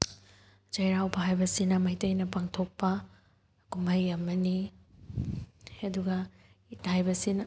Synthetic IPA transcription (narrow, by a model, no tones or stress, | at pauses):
d͡ʒɐjɾawbɐɦajbɐsinɐmɐjtɐjnɐpaŋtʰok̚pɐ | kumɐjɐmːɐni | ɐduɡɐ | ithajbɐsinɐ